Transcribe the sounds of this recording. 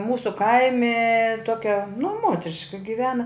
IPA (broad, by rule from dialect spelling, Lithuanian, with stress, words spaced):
ˈmuːsʊ ˈkɐɪmʲɪ ˈtoːkʲɛ nʊ ˈmoːtʲrʲɪʃkɐ ɡʲɪˈʋʲæːnɐ